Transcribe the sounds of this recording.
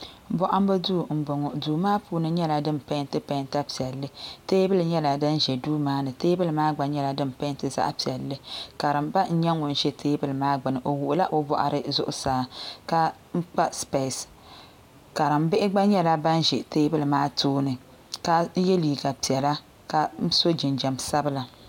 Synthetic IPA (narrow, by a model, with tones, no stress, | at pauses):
bɔ˦ʔa˦m˦ba˦du˦˨m̩˨bo˨ŋɔ˨du˨maː˦puː˨˦nɨ˦ɲɛ˦la˨dɨ˦m˨pa˦ntɨ˦pa˦nta˦pi˨ɛ˨lːɨ˦teː˦bɨ˦lɨ˨ɲɛ˦la˨dɨ˦n˦ʒɛ˨duː˦maː˦nɨ˨teː˦bɨ˦lɨ˨maː˦ɡ͡ba˨ɲɛ˦la˨dɨ˦m˨pa˦ntɨ˦za̰˦ʔpi˨ɛ˨lːɨ˦ka˨ɾɨ˨mba˦n̩˦ɲɛ˦ŋo˨n˦ʒɛ˦tʰeː˦bɨ˦lɨ˨maː˦ɡ͡bɨ˨nɨ˨ʔo˨wʊ˨ʔʊ˨la˦ʔo˦bɔ̰˨ʔa̰˨ɾʔɨ˦zʊ̰˦ʔʊ̰˦saː˨ka˦ | ŋ͡m̩˦k͡pa˦spe˨s | ka˨ɾɨ˨m̩bɪ˦ʔɪ˦ɡ͡ba˦ɲɛ˦la˦ba˦n˦ʒɛ˨teː˦bɨ˦lɨ˨maː˦tʰoː˦nɨ˨ | ka˦je˦liː˨ɡa˨pi˨ɛ˨la˦ | ka˨m̩˦so˦d͡ʒɪ˨nd͡ʒɛ˨msa˦bɨ˦la˨